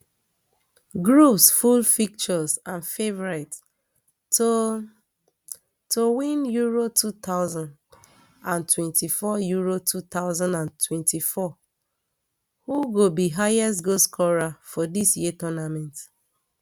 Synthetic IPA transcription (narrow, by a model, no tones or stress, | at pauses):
ɡɹupsfulfik̚t͡ʃɔsãnfevɔɹat | o | towĩnjuɹotʰut̪aʊzãnd | ãntwɛ̃ntifɔjuɹotʰut̪aʊzãndãntʰwɛ̃ntifɔ | huɡobiɦajɛstɡoskʰɔɹafɔdisjitɔnamɛ̃nt